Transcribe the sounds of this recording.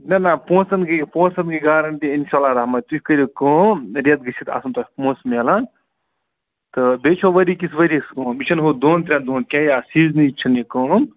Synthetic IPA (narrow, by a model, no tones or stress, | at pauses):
nɐnapõːsɐnɡipõːsɐnɡiɡaːɾɐɳʈiinʃalaɾaɦmat̪ukəɾʲikoːɾet̪ɡɨt͡ʃʰit̪a̰sɐnt̪ohʲpõːsmelãn | t̪ɨbet͡ʃʰoʋɐɾikisʋɐəɾiskõːmit͡ʃʰɐnɦod̪oːnt̪ɾʲãːd̪oːnkʲajasiːznit͡ʃʰɐnikon